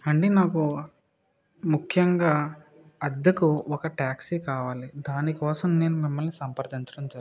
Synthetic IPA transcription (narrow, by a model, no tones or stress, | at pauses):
ɐɳɖinaːku | mukʰjɐŋɡaː | ɐd̪ːɐkuɔkɐʈaːksikaːʋaːlid̪aːnikɔːsɐmne̞ːnumimːɐlnisɐmpɐɾd̪ɐɲt͡ʃɐɽɐmd͡ʒɐ